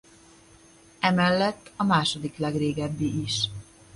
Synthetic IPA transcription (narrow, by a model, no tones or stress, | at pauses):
ɛmɛlːɛt̪ːɒmaːʃo̞d̪iklɛɡreːɡɛbːiʔiʃ